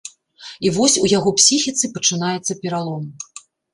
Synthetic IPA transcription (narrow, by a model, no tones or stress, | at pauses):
ivɔsʲujaɣɔpsʲixʲit̪sɨpɐt͡ʂɨnajɛt̪sːɐpʲɛɾalˠɔm